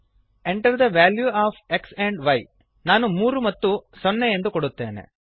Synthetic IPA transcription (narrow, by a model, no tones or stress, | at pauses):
eɳʈɐɾd̪ɐʋaːljuaːfekseɳɖʋɐj | naːnumuːɾumɐt̪ːusɔnːejend̪ukoɽut̪ːe̞̰ːnḛ